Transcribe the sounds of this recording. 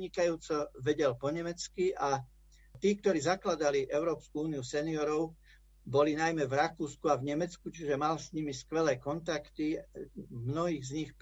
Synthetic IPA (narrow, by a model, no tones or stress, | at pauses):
ɲikajuːt͡sɔʋɛɟɛlpɔɲɛmɛt͡skiʔa | t̪iːk̚t̪ɔɾiːzaklad̪aliʔɛʊɾɔːpskuuːniusɛniɔɾɔʊ | bɔlinajmɛvɾakuːskuavɲɛmɛt͡skut͡ʃiʒɛmalsɲimiskʋɛlɛːkɔnt̪akt̪i | mnɔɦiːɣzɲixp